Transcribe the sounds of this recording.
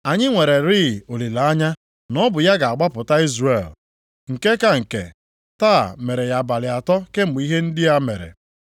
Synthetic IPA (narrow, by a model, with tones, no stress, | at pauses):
a˨ɲɪ˦ŋʷe˨ɾe˨ɾi˦˨o˨li˨la˨a˦ɲa˦ | nɔ˦bʊ˨ja˦ɡa˨a˨ɡ͡ba˦pʊ˨ta˦i˦zrḛ˨l | ŋ̩˨ke˦ka˦ŋ̩˨kḛ˨ | ta̰ː˦˨me˨ɾe˨ja˨ba˨lɪ˨a˨tɔ˦ke˦m̩˨ɡ͡bi˦ɦe˦n̩˦dɪ˦ja˦me˨ɾḛ˨